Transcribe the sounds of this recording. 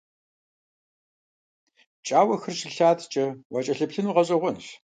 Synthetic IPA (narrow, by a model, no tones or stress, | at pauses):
t͡ʃʼaːwɐxɨrʃɪɬaːtʰt͡ʃʼɐwat͡ʃʼɐɬɨpɬɨnuːʁɐɕʼɐʁʷɔnɬ